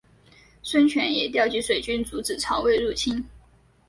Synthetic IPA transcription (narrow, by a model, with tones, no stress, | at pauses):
swə˥nt͡ɕʰɥɛ˧˥njɛ˨˩t̪̬jɑ˥˧ʊt͡ɕy˥swe˨˩ɪt͡ɕy˥nt͡su˧˥t͡sɻ̩˨˩t͡sʰɑ˧˥ʊwe˥˧ɪɻu˥˩t͡ɕʰi˥n